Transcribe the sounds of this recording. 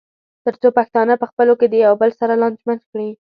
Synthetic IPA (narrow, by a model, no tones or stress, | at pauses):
t̪əɾt͡sopaxt̪ɑnapəxpəloked̪əjawbəlsaɾalɑnd͡ʒmand̪kɽi